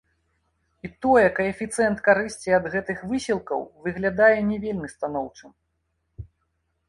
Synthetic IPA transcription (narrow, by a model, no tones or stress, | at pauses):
it̪ɔjɛkɐɛfʲit̪sɛnt̪kaɾɨsʲt͡sʲiɐd̪ɣɛt̪ɨxvɨsʲilˠkɐ̰wvɨɣlʲad̪ajɛnʲɛvʲelʲmʲɨst̪an̪ɔwt͡ʂɨm